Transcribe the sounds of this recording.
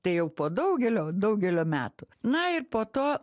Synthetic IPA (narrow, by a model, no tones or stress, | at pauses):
t̪ɐɪjɛʊpoːd̪ɐʊɡʲɛlʲoːd̪ɐʊɡʲɛlʲoːmʲæ̰ːt̪ʊ | nɐɪrpoːt̪oː